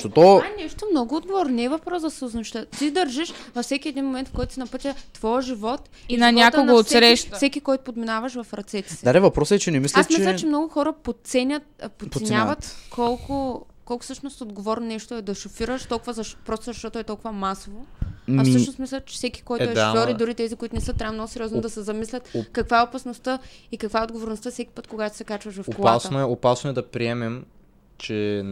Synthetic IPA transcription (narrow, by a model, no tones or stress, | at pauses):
t̪ot̪oɛnɛʃt̪omnɔɡʊːd̪ɡovɔɾnnɛːvɐfpɾɔsɐsuznɐʃt̪ət̪id̪ɐɾʒiʃvɐfsɛkʲiɛd̪inmomɛnt̪fkɔjt̪ʊsinɐpɤt̪ʲət̪vɔjəʒivɔt̪ | inɐnʲak̪ooːt̪sɾɛʃt̪fsɛkʲikɔjt̪ʊ̥pod̪minavɐʃvɐfɾɐt̪sɛt̪ɛ̥sɛd̪ad̪ɛvɐpɾɔsɛt͡ʃɛnɛmislʲɛasmilʲət͡ʃɛmnɔɡʊxɔɾəpot̪sɛnʲɐt̪pot̪ɛsnʲavɐt̪kʰɔlˠkʊ | kɔlˠkʊ̥fsɤʃnost̪od̪ɡovɔɾnonɛʃt̪oɛd̪ɐʃofiɾəʃt̪ɔlˠkʊvəzɐʃpɾɔst̪ozɐʃt̪ɔt̪oɛt̪ɔlˠkʊvɐmasovoaɐfsɤʃnosmislʲət͡ʃɛ̥fsɛki̥kɔjt̪oɛɔɾid̪ʊɾit̪ɛzikʊit̪ʊnɛsɤt̪ːɾavənɔɡʊsɛɾjɔznod̪ɐsɛzɐmislʲət̪kɐkvaɛopɐsnost̪əikɐkvaɛod̪ɡovoɾnost̪əfsɛki̥pɤt̪koɡat̪o̥sɛkat͡ʃvɐʃvɐfkasnɛopasnoɛd̪ɐpɾiɛmɛm | t͡ʃɛ